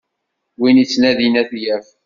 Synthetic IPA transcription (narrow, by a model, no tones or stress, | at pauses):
winit͡sːnæðinæθjæf